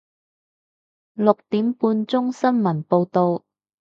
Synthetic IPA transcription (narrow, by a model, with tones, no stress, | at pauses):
lʊ˨k̚t̪iː˨˥mpuː˧nt͡sʊ˥ŋsɐ˥nmɐ˨˩npo˧wt̪o˨w